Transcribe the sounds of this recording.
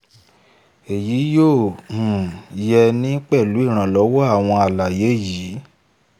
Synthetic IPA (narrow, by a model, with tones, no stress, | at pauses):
e˨ji˨˦jõ˦˨ | jɛ˧nĩ˦k͡pɛ˦˨lu˨˦i˦˨ɾ̃ã˨lɔ˨˦wɔ˦a˦˨w̃ɔ̃˧a˨la˨je˨˦˨ji˨˦